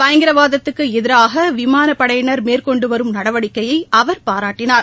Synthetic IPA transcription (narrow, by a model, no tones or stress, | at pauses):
pɐjɐŋɡɪɾɐʋaːðɐt̪ːɯkːɯɛðɪɾaːɣɐʋɪmaːnɐpːɐɽɐjɐnɐɾmeːrkɔɳɖɯʋɐɾɯmnɐɽɐʋɐɽɪkːɐjɐɪɐʋɐɾpaːɾaːʈːɪnaːɾ